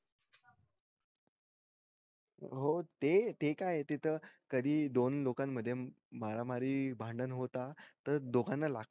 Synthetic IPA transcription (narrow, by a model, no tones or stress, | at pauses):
ɦot̪et̪ekajet̪it̪ʰəkəd̪ʱiːd̪onlokamːəd̪ʱːje | maɾamaɾiːbʱãɳɖənɦot̪at̪əɾd̪oɡanːəlaɡ̪̚